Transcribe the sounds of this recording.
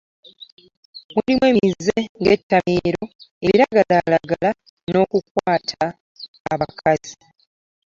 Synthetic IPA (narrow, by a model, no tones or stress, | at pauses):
mwulimweːmize̞ŋɡe̞tːameːɾo̞e̞βiɾaɡalalaɡala | no̞ːkukwaːtʰaː | βakʰazi